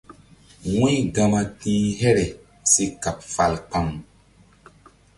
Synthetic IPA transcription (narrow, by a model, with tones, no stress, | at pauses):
wĩ˦ɡa˧ma˧tĩː˦ɦɛ˦ɾɛ˨ | se˦ka˨p̚fa˨lk͡pa˦m